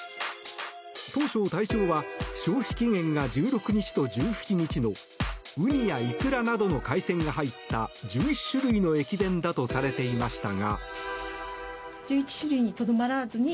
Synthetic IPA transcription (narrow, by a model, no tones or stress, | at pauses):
t̪o̞ːɕo̞ːt̪aiɕo̞ːβaɕo̞ːçʲi̥kʲiŋẽ̞ŋɡad͡ʑɨːɾo̞kɯ̟ɲ̟it͡ɕi̥t̪o̞d͡ʑɨːçi̥t͡ɕiɲ̟it͡ɕino̞ | ɯ̟ɲ̟ijaikɯ̟ɾanad̪o̞no̞kaisẽ̞ŋɡaɦait̪ːad͡ʑɨːiɕɨɾɯ̟ino̞e̞kʲid̪ẽ̞nd̪at̪o̞saɾe̞t̪e̞imaɕi̥t̪aɡa̰ | d͡ʑɨːit͡ɕi̥ɕɨɾɯiɲ̟it̪o̞d̪o̞maɾazɨɲ̟i